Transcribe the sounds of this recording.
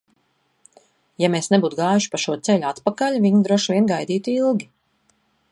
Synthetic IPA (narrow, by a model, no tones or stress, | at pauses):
jameːsnebuːt̪ɡaːjuʃi̥paʃuɔt̪sɛʎʲuat̪pakaʎʲviɲid̪ɾuɔʃvʲiɛnɡajd̪iːt̪ilˠɡʲi